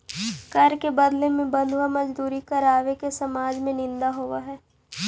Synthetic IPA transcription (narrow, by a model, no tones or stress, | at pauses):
kɐɾkebɐd̪lemẽbɐ̃nd̪ʱwamɐd͡ʒd̪uːɾikɐɾaːʋekesɐmaːd͡ʒmẽnɪ̃nd̪aɦoːʋaɦɛː